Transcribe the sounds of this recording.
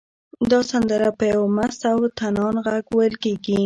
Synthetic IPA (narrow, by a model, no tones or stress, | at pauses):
d̪ɑsand̪əɾapəjawmast̪awt̪anɑnɣaɡwajəlkeɡi